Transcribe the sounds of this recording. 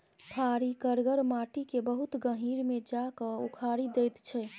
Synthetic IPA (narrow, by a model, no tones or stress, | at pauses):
pʰaɾikəɾɡəɾmaːʈikebəɦut̪ɡə̃ɦiːɾmẽd͡ʒakəukʰaːɾid̪ejt̪t͡ʃʰɛ